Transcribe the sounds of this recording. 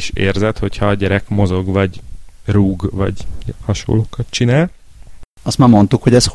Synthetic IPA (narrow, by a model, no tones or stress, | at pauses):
iʃḛːrzɛt̪ho̞chɒːɟɛɾɛkmo̞zo̞ɡvɒɟruːɡvɒ̰ɟɛhɒʃo̰ːlːoːkɒt̪̚t͡ʃinaːl | ɒst̪maːɾmo̞nt̪ukhoɟɛs